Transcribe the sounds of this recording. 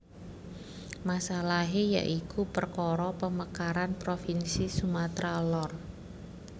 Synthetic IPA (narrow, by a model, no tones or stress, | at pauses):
masalaɦeja̰ʔikupərkɔɾɔpəməkaɾanpɾofinsisumat̪ɾalɔr